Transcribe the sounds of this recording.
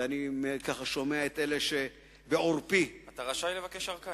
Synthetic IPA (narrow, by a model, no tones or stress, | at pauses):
animekaχaʃo̞meaet̪eleʃe | beoʁpiat̪aʁaʃajlevakeʃaʁka